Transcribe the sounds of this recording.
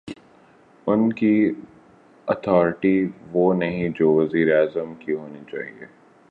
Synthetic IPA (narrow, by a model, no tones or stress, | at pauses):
ʊnki | ɔt̪ʰɔːɾɪʈiʋoːnɐɦĩd͡ʒoːʋɐziːɾeaːzəmkiɦoːnit͡ʃa̰ːɦiḛː